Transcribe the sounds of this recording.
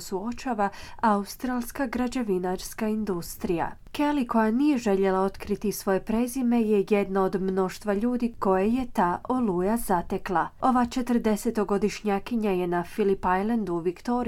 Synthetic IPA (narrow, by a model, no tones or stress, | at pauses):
suo̞t͡ʃaːʋaaust̪ɾaːlˠskaɡɾad͡ʑeʋinaɾskaind̪ust̪ɾija̰ | keliko̞janije̞ʒe̞ʎe̞lˠao̞t̪kɾit̪isʋo̞je̞pɾe̞zime̞je̞je̞d̪naod̪mno̞ʃt̪ʋaʎuːd̪iko̞jeje̞t̪aːʔolujazat̪e̞klˠao̞ʋat͡ʃe̞t̪əɾd̪e̞se̞t̪o̞ɡo̞d̪iʃɲakiɲaje̞nafilipajland̪uːʋikt̪o̞ɾ